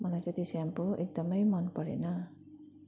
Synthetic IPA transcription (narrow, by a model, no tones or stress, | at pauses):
mʌlajt͡sʌ̃j̃t̪eseampoʔek̚d̪ʌmʌjmʌnpʌɽḛnʌ